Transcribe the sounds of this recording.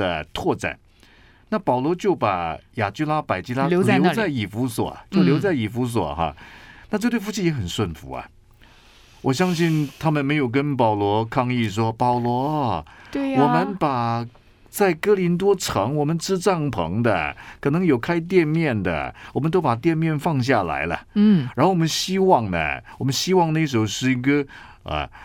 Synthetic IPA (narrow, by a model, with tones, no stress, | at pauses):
ə˧t̪ʰwɔ˥˧ʈ͡ʂa̰˨˩˦n | na˥˩pɑ˨˩ʊlwɔ˧˥t͡ɕjo˥˩ʊpa˨˩ja˨˩t͡ɕy˥la˥pa˨˩ɪt͡ɕi˥la˥lo˧˥ljo˧˥ʊt͡sa˥˩ɪi˨˩fu˧˥swɔ̰˨˩t͡ɕjʊljo˧˥ʊt͡sa˥˩ɪi˨˩fu˧˥s̬wɔ̰˨˩xa̰˧na˥˧ʈ͡ʂɤ˥˧t̪wfu˥˩t͡ɕʰi˥˩jɛ˧˥xə˨˩nswə˥˩nfṵ˧˥ɐ̰˨ | wʔɔ˨˩ɕjɑ˥ŋɕi˥˩nt̪ʰa˥mə˨nme˧˥ɪjo˨˩ʊk̬ə˥npɑ˨˩ʊlwɔ˧˥kʰɑ˥˧ŋi˥˩ʂ̬wɔ˥pɑ˨˩ʊlwɔ˧˥we˥˩wɔ˨˩mə˦npa˨˩ | t͡sa˥˩ɪkɤ˥li˧˥nt̪̬wɔ˥ʈ͡ʂʰɤ˧˥ŋwɔ˨˩mə˦nʈ͡ʂɻ̩˥ʈ͡ʂɑ˥˩ŋpʰɤ̰˧˥ŋd̪ə̰˧kʰɤ˨˩nɤ˧˥ŋjo˨˩ʊkʰa˥ɪt̪̬jɛ˥˧nmjɛ˥˩nd̪ə̰˩wɔ˨˩mə˦nt̪̬o˥ʊpa˨˩t̪jɛ˥˧nmjɛ˥˧nfɑ˥˧ŋɕ̬ja˥˩la̰˧˥ɪlə̰˨˥˩ɻn˥xo˥˩wɔ˨˩˧nɕi˥wɑ˥˩ŋnə̰˩wɔ˨˩mə˦nɕi˥wɑ˥˧ŋna˥˩ɪʂ̬o˧˥ʊʂɻ̩˥˩i˧˥ɡə˧ | ɐ̰˩